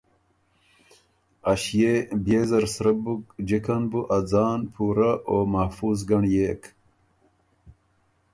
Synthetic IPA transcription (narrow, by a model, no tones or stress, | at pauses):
ɐɕjebjeːzɐɾsɾɐbukd͡ʑikʰɐnbuʔɐd͡zaːnpʰuːɾɐʔoːmɐhfuːzɡɐɳjeːk